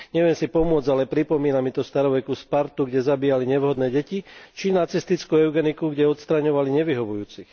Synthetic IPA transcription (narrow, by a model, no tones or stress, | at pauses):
ɲɛʋɛnsipɔmʊɔd͡zalɛpɾipɔmiːnamit̪ɔst̪aɾɔʋɛkuspaɾt̪uɡɟɛzabiːjaliɲɛʋɦɔd̪nɛːɟɛcit͡ʃinat͡sist̪it͡skuːɛʊɡɛnikuɡɟɛɔt̪st̪ɾaɲɔʋaliɲɛʋiɦɔʋujuːt͡six